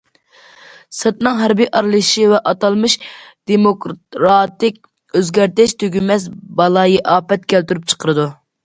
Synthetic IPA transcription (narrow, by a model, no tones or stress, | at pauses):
sɨt̪̚nɨŋɦæɾbijʔɑɾlˠɨʃivɛʔɑt̪ɑlˠmɨʃd̪̥emokɾɑt̪ɪkʲ | øzɡʲæɾt̪ɪʃt̪ʰøɡʲymɛsbɑlˠɑːjiʔɑːpɛt̪̚kʲælt̪yɾyp̚t͡ʃʰə̥qʰəɾɨd̪u